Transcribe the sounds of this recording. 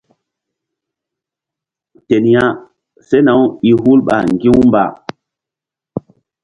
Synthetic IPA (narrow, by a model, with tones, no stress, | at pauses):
te˨n˨ja˦ | se˦na˨wi˨ɦu˦lɓa̰˨ŋɡi˦wmba̰˨